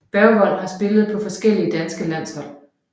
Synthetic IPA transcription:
b̥æɐʋɒ̽l̰hɑ̈sb̥e̝ləð̞̩ˠpʰɒ̽fɒ̽sɡ̥el̰iəd̥ænsɡ̥əlæn̰shɒ̽l̰

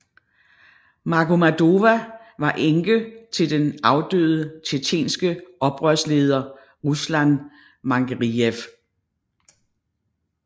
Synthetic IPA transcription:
mɑ̈kʰomæd̥o̝ʋæʋɑ̈ʔeŋɡ̥ət͡sʰe̝ld̥enɑ̈ʊd̥ø̰ːð̩ˠət͡sʰet͡sʰḛːnsɡ̥əʔɒ̽b̥ʁɶɐsle̝ːð̞ˠɐ | ʁuslæn | mɑ̈ŋɡ̥ʁief

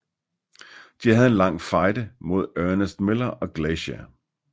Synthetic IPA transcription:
d̥ihæð̞̩ˠe̝nlɑ̈ŋ̰fɑ̈ɪdəmo̝ð̞ˠœɐnəsd̥melɐɒ̽ɡ̥leɕæ

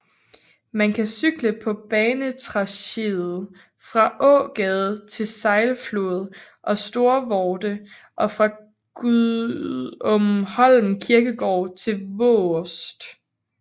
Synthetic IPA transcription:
mænkʰæsyɡ̥ləpʰɒ̽b̥ɛːnət͡sʰʁɑ̈ɕeðˠð̩ˠ | fʁɑ̈ʔɔ̰̽ːɡ̥ɛð̞ˠt͡sʰe̝lsɑ̈ɪlflo̝ːð̞̩ˠ | ʔɒ̽sd̥o̝ɐʋɒːd̥ə | ʔɒ̽fʁɑ̈ | ɡ̥u | ɔmhɒ̽l̰m̩kʰiɐɡ̥əɡ̥ɒ̰ːt͡sʰe̝lʋɔsd̥

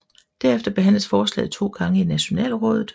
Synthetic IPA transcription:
d̥æɐefd̥ɐb̥e̝ɦæn̰ləsfɒːslɛ̰ːð̩ˠt͡sʰo̝̰ːɡ̥ɑ̈ŋəinæɕo̝nɛ̰ːlʁɔ̰̽ːð̞ˠð̩ˠ

